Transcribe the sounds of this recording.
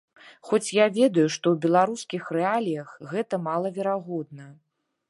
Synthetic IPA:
xɔt͡sʲjavʲɛd̪ɐjuʂt̪ɔwbʲɛlˠaɾuskʲixrɛalʲijɐxɣɛt̪ɐmalˠɐvʲɛɾaɣɔd̪nɐ

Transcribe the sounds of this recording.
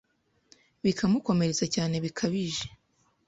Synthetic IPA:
βikʰamuko̞me̞ɾe̞t͡sacaːne̞βikʰaβiʒe̥

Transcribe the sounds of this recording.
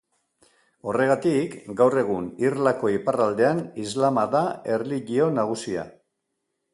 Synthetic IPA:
o̞re̞ɣ̞at̪ikɡawre̞ɣ̞unirlako̞iparald̪e̞anizlamaðae̞rliʎio̞naɣ̞usia̰

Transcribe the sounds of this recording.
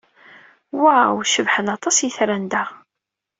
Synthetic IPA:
waʕwʃəvħənɑt̪ˤɑsjəθɾænd̪æ

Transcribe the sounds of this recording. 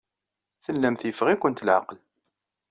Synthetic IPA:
θəlːæmθjəfʁikʷənt̪lʕa̰ql

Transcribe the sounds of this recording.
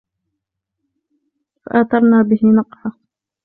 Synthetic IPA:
fa̰ʔaːt̪ɑɾˤnaːbɪhɪnɑqħɑ

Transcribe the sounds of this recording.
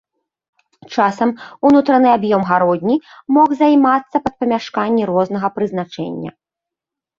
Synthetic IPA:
t͡ʂasɐmunut̪ɾɐnɨabjɔmɣaɾɔd̪ʲnʲimɔxzɐjmat̪sːɐpɐt̪̚pɐmʲaʂkanʲːiɾɔzn̪ɐɣɐpɾɨznat͡ʂɛ̰nʲːɐ̰

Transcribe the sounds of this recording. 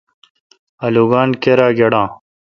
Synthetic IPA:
ɐluɡaːnkeɾaːɡeɽãː

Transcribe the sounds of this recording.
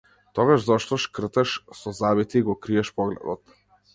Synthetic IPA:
t̪ɔɡaʒzɔʃt̪ɔʃkr̩t̪ɛʃsɔzabit̪iːɡɔkɾiɛʃpɔɡlɛ̰d̪ɔt̪

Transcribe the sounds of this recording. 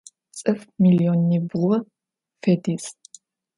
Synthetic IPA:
t͡sʼɨfmilionːibʁʷɔ | fediːs

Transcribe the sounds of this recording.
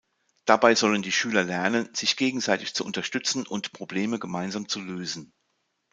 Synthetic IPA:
d̥abaɪzɔləndiːʃyːlɐlɛɐnənz̥ɪçɡ̥eːɡŋ̩zaɪtɪçt͡suʔʊntɐʃtʏt͡sn̩ʊntpʁ̥obleːməɡəmaɪnzaːmt͡suløːzn̩

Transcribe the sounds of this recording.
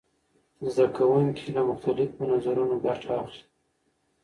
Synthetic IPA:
zd̪akawuŋkʰilamʊxt̪alɪfmʊnazaɾunoɡaʈʰaːxli

